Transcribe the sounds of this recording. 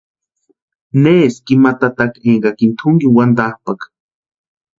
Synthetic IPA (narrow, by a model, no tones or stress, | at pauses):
neːskimat̪at̪akeŋɡakint̪ʰuŋɡiwand̪ahpak